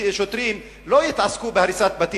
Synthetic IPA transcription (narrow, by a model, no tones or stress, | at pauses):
ʃot̪ɾim | lo̞jit̪askubehaɾisat̪̚bat̪i